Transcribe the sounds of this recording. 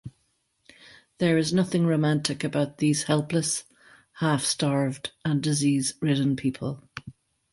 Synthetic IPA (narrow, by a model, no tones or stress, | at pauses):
ðə˞ɪznʌθɪ̃ŋɹoʊmãntʰɪkəbaʊt̪̚ðiːz̥hɛlˠpləs | hafstɑɹvdə̃ndɪziːzɹɪʔn̩pʰipʰə̰lˠ